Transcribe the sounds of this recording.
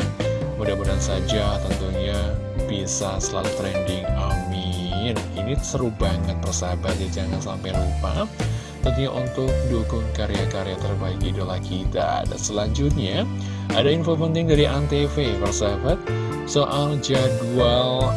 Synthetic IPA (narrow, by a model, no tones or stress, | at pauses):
mudahbudansad͡ʒat̪ənt̪uɲa | b̥isasəlalt̪ɾɛndɪŋamininisəɾubaŋət̪̚bərsabat̪̚jad͡ʒaŋansa̰mpajlupa̰ | t̪apiɲaʔṵnt̪ʊk̚dukʊŋkaɾeakaɾeat̪ərbaɪkidolahkit̪a̰da̰nsəlaɲd͡ʒʊt̪̚ɲa | ʔa̰dainfopənt̪ɪŋdaɾiʔant̪efepərsabat̪̚ | soʔald͡ʒadual